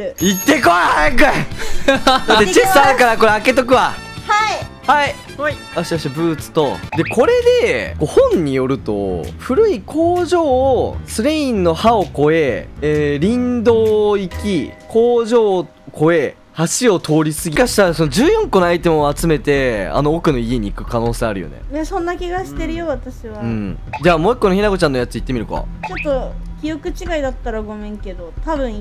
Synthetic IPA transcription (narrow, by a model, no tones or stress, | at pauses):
it̪ːe̞koeakɯe | d̪at͡ɕesaɾɯkaɾako̞ɾeake̞t̪o̞k̬ɯ̟βa | ha | hai | aɕi̥t̪aɕiabɯ̟ːt͡sɨ̥t̪o̞d̪e̞kʰo̞ɾe̞d̪e̞ɡohõ̞ɲ̟ːijo̞ɾɯ̟t̪o̞̰ɸɯ̟ɾɯ̟ikʰo̞ːʑo̞ːsɨɾeĩnːo̞hao̞ko̞e̞eːɾʲĩnd̪o̞ːikʲikʰo̞ːʑo̞ː | kʰo̞e̞ | haɕio̞t̪ʰo̞ːɾʲisɨɡʲikaɕi̥t̪aɾso̞nod͡ʑɨːjõ̞ŋko̞noait̪e̞moat͡sɨme̞t̪e̞a̰no̞ːkɯ̟no̞ie̞ɲ̟iːkɯ̟kano̞ːse̞ːaɾɯ̟jo̰nḛmasõ̞nːakʲiɡaɕi̥t̪e̞ɾɯ̟jo̞βat̪aɕiβaɯ̟̃ɴd͡ʑaːmo̞ːikːo̞noçinaɡo̞t͡ɕãnːojat͡sɨit̪ːemiɾɯ̟ka̰t͡ɕo̞t̪ːo̞kʲijo̞kɯ̟t͡ɕiɡaid̪at̪ːaɾaɡo̞mẽŋke̞d̪o̞t̪abɯ̟̃ɴ̃